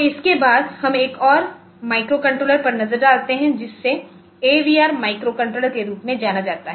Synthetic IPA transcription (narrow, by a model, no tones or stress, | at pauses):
ɪskebaːd̪hɐmeːkɔːɾ | maːɪkɾokɐ̃ɳʈɾoːləɾpɐɾnɐzəɾɖaːlt̪eɦɛ̃d͡ʒɪsːe | eːʋiːaːɾmaːɪkɾokɐ̃ɳʈɾoːləɾkeɾuːpmẽd͡ʒaːnad͡ʒaːt̪aɦɛː